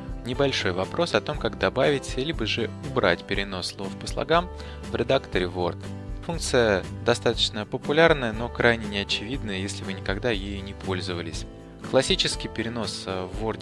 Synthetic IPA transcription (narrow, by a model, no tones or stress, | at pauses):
nʲɪbɐlʲʂo̞jvɐpɾʔo̞sɐt̪o̞mkaɡd̪ɐbavʲɪtʲlʲibəʐɨʊbɾa̰tʲpʲɪɾʲɪno̞sːlˠo̞fpəslˠɐ̰ɡam | vɾʲɪd̪akt̪əɾʲɪvo̞rt̪ | funkt̪sɨjəd̪ɐst̪at̪ə̥t͡ɕnəpəpʊlʲarnəjəno̞kɾʔajnʲɪnʲɪɐt͡ɕɪvʲid̪nəjəjesʲlʲɪvɨnʲɪkɐɡd̪ajejnʲɪpʰo̞lʲzəvəlʲɪsʲ | klˠɐsʲit͡ɕɪskʲɪjpʲɪɾʲɪno̞svːo̞rd̪ʲ